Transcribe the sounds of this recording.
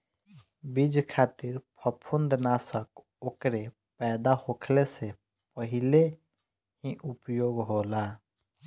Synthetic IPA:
bid͡ʒkʰaːt̪iɾpʰəpʰund̪nasək | oːkɾe | pɛːd̪ahokʰlese | pəɦɪle | ɦiʔupjoɡɦola

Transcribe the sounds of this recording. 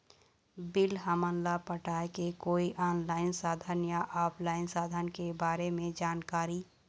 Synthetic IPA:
bɪlɦəmənlapəʈaːekekoːiʔaːnlaːɪnsaːd̪ʱənjaʔaːpʰlaːɪnsaːd̪ʱənkebaːɾemẽd͡ʒaːnkaːɾi

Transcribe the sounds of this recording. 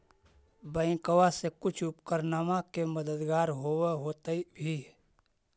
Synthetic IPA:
bəɪ̃kəwasekʊt͡ʃʰʊpkəɾnaːmãkeməd̪əd̪ɡaːɾɦoweɦoːt̪eibʱi

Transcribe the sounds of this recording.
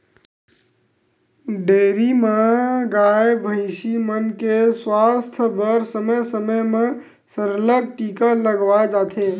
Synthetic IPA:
ɖeːɾimaɡaːjbʱəɪsimənkeswaːst̪ʰbəɾsəməjsəməjmẽ | səɾlək̚ʈiːkaləɡʋad͡ʒaːt̪ʰe

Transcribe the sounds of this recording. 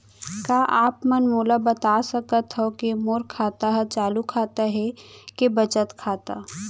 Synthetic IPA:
kaːʔaːpmɐnmoːlabɐt̪aːsɐkət̪ɦokemoːɾkʰaːt̪aɦɛt͡ʃaːlukʰaːt̪aɦɛkebɐt͡ʃət̪kʰaːt̪a

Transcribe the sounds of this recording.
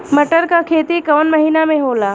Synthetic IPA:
mɐʈəɾkakʰeːt̪ikɔːnmɐɦiːnamẽɦoːlaː

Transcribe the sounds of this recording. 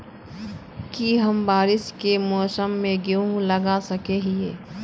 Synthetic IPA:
kiɦɐmbaːɾɪskemɔːsəmːẽɡeoɦũləɡasɐkeɦiḛː

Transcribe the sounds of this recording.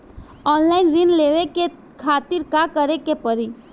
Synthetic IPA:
ɔːnlaɪnɾɪnleːʋeke | kʰaːt̪ɪɾkakəɾekepəɾi

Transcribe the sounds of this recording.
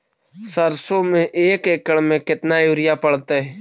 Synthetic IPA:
səɾsomẽʔeːkeːkəɽmẽkɪt̪najuːɾɪjapəɽt̪eɦɛː

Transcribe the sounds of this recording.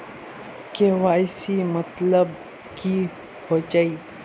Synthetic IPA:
keʋaːjsimət̪ləb | ki | hod͡ʒaːiː

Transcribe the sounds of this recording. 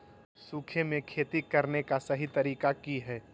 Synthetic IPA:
suːkʰemẽkʰeːt̪ikɐɾnekasɐɦit̪ɐɾiːkakiɦɛː

